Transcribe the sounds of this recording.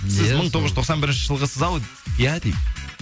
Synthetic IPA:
sjɪzməɴt̪ʰoʁəʒt̪ʰoqsɑnbɪɾɪnʃɪʒəlˠʁəsəzɑwjæt̪ip

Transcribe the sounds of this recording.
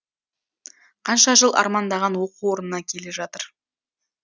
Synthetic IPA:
qʰɑnʃɑʒəlˠʔɑ̰ɾmɑnd̪ɑʁɑnwo̞quwo̞ɾənənɑkʲʰe̞le̞ʒɑt̪əɾ

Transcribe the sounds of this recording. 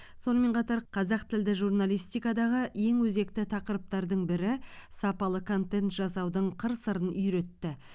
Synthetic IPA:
so̞nəme̞ɴqʰɑt̪ɑɾqʰɑzɑqt̪ʰɪld̪ɪʒurnalˠijst̪ijkɑd̪ɑʁəje̞ŋwɵze̞kt̪ɪt̪ʰɑqəɾəp̚t̪ɑɾd̪əɴbɪɾɪsɑpɑlˠəkʰo̞nt̪e̞nt̪ʒɑsɑwd̪əɴqʰəɾsəɾənʏjɾe̞t̪ːɪ

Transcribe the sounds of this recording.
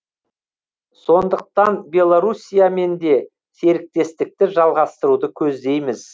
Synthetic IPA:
so̞nd̪əq̚t̪ɑnbʲe̞lˠoɾusʲijame̞nd̪e̞ | se̞ɾɪk̚t̪e̞st̪ɪk̚t̪ɪʒɑlˠʁɑst̪əɾud̪əkʲʰɵzd̪e̞jmɪz̥

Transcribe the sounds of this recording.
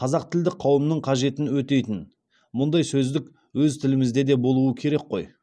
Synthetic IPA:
qʰɑzɑqt̪ʰɪld̪ɪqʰɑwəmnəɴqʰɑʒe̞t̪ɪnwɵt̪e̞jt̪ɪn | mʊnd̪ɑjsɵzd̪ɪk | wɵzt̪ʰɪlɪmɪzd̪e̞d̪e̞bo̞lˠuəkʲʰe̞ɾe̞kqo̞j

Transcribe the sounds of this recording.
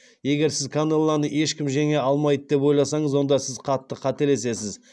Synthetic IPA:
je̞ɡʲe̞ɾsɪzkʰanelˠːɑnəʔe̞ʃkʲɪmʒeŋe̞ɑlˠmɑjd̪əd̪e̞pwo̞jlˠɑsɑɴəzwo̞nd̪ɑsɪzqʰɑt̪ːəqʰɑt̪e̞le̞se̞sɪz

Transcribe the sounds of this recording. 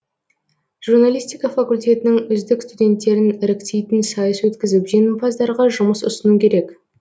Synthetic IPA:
ʒ̥urnalʲist̪ijkɑfakulʲt̪ʲe̞t̪ɪnɪŋʏzd̪ɪkst̪ud̪ʲe̞nt̪ːe̞ɾɪnɪɾɪkt̪e̞jt̪ɪnsɑjəswɵt̪kʲɪzɪpʒe̞nɪmfɑzd̪ɑɾʁɑʒʊməsʊ̰sənukʲʰe̞ɾe̞k

